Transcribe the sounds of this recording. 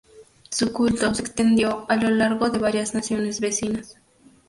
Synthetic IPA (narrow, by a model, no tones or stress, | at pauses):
sukult̪osekst̪e̞nd̪jo̞alo̞laɾɣoðe̞β̞aɾjaznasjo̞ne̞zβe̞sinas